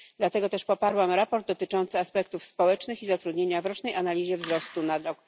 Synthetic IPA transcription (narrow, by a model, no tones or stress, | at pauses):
d̪̥lat̪ɛɡɔt̪ɛʂpɔpaɾwamɾapɔɾd̪̚d̪ːɔt̪ɘt͡ʂɔnt̪sɘaspɛkt̪ufspɔwɛt͡ʂnɘxizat̪ɾud̪ɲeɲavɾɔt͡ʂnɛjʔanalʲiʑɛvzɾɔst̪unad̪ɾɔk